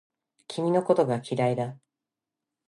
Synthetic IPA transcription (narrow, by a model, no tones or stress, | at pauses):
kʲimʲino̞ko̞t̪o̞ɡakʲiɾaid̪a